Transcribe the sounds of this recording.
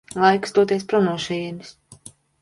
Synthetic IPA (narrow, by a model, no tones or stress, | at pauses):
lˠajksd̪uɔt̪iɛspɾɔnuɔʃijɛnis